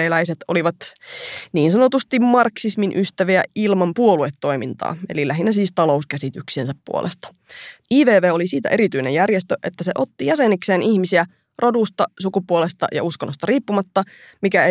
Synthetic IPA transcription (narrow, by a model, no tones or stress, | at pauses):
eːlæiset̪oliʋɑt̪ | niːnsɑnot̪ust̪immɑrksisminʔyst̪æʋiæilmɑmpuoluet̪ːo̞imint̪ɑ̰ːḛlilæɦinːæsiːst̪ɑlo̞uskæsit̪yksiensæppṵo̰lʔest̪ɑ̥ | ʔiːʋeːʋeːolisiːt̪æ̰ʔe̞ɾit̪yinḛjærjest̪øʔet̪ːæseʔo̞t̪ːijæsenikse̞ːnihmisiæ | rʔo̞dust̪ɑsukupuolest̪ɑ̰jɑ̰uskonːost̪ɑriːpːumɑt̪ːɑ | mikæe